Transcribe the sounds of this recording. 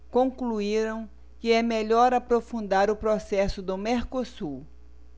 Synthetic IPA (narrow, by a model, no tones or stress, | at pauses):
kõŋkluiɾɐ̃w̃ | kɪɛmeʎɔɾapɾofũnd̪aɾʊpɾosɛsʊd̪ʊmeɾkosu